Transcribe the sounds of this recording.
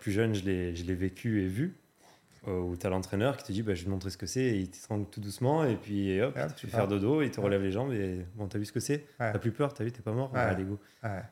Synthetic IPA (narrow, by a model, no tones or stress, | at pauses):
plyʒœnʒəlɛʒəlɛvekʲʰyevy | ut̪yalɑ̃t̪χɛnœʁkʲi̥t̪əd̪ibaʒəvmɔ̃t̪χesə̥kəsɛilt̪ə̥t̪χɑ̃ɡlt̪ud̪usmɑ̃epɥieɔpt̪ə̥fɛfɛʁd̪əd̪oilt̪əʁəlɛvleʒɑ̃bebɔ̃t̪yavysə̥kəsɛtyaplypœʁt̪yavyt̪ɛpamɔʁad̪eɡo